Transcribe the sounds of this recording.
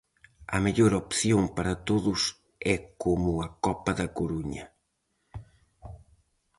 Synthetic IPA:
ɐ̰meʎoɾɔpθjõŋpɐɾɐt̪oðʊs | ɛkomʊɐkɔpɐðɐkoɾuɲɐ̰

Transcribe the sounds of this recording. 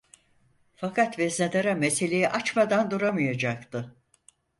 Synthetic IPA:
fakʰat̪vɛzned̪aɾamese̞lʲe̞jiʔat͡ʃmad̪and̪uɾamɯjad͡ʒak̚t̪ɯ

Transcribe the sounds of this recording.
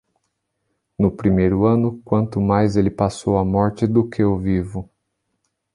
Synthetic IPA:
nʊpɾimejɾʊɐ̃nʊkwɐ̃nt̪ʊmajzelɪpasowɐmɔɾt͡ʃɪd̪ʊkʰɪovivʊ

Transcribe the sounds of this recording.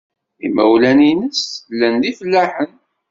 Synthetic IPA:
ḭmæwlæninəslːənlifəlːæħən

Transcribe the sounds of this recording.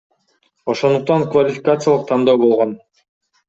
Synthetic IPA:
o̞ʃo̞nd̪uq̚t̪ɑŋkvalʲɪfʲikat̪sɨjalˠɯq̚t̪ʰɑnd̪oːbo̞lˠʁo̞n

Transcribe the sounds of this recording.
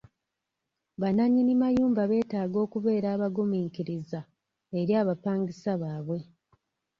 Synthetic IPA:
βanaɲinimajuːmbaβe̞ːtaːɡo̞ːkuβe̞ːɾaːβaɡumiːŋkiɾiza | eɾjaːβapaːŋɡisaβaːβwe̞

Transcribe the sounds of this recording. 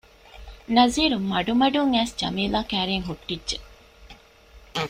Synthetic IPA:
nɐziːɾummɐɖumɐɖuŋæːsd͡ʒɐ̰miːlaːkæːɾeŋɦuʈːidʒe

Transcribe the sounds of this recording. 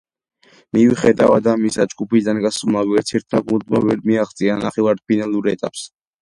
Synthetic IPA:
miviχɛd̪avad̪amisad͡ʒɡupid̪anɡasmaviɛɾt̪ʰɛɾt̪ʰmaɡuld̪ma̰vɛɾmiaχt̪sʼianaχɛvaɾ̚pʰinalˠuɾɛt̪ʼa̰ps

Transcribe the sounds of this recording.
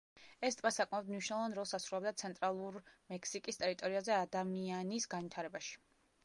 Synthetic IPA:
ɛst̪ʼvasakʼmɛbd̪mniʃwnlˠɔvanɾɔlˠsasɾulɛbd̪at̪sʰɛnt̪ʼɾalˠuɾmɛkʰsikʼist̪ʼɛɾit̪ʼɔɾiazɛad̪amianisɡanvwit̪ʰaɾɛbaʃi̥

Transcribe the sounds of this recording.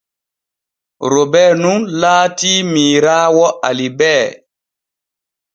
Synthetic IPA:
ɾobɛːnunlaːtiːmiːɾaːwɔʔalibɛː

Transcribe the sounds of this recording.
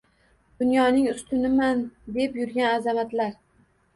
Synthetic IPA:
d̪̥ʊnjɒnɪŋʊst̪ʰʊnɪmand̪e̞pjʊɾɡʲanazamat̪laɾ

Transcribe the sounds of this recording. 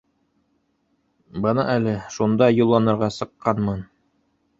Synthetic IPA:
bɤnɤʔælɘʃund̪ɑjulˠːɑnɤ̆ɾʁɑsɤ̆qːɑnmɤn

